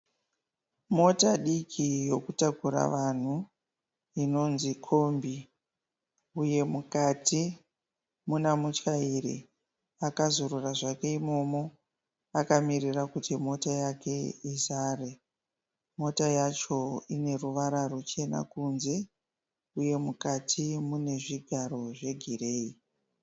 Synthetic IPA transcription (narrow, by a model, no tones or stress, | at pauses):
mo̞taɗikʰijo̞kutakuɾa̰ʋan̤u | ino̞nzikʰo̞mbi | uje̞mukati | munamut͡ʃairḭ | akazoruraʐake̞imo̞mo̞ | akamirirakutimo̞tajake̞isaːre | mo̞tajat͡ʃo̞ine̞ruʋaɾarut͡ʃe̞na̰kunze̞ | uje̞mukatʰimune̞ʐiɡʱaro̞ʐe̞ɡʱire̞ːi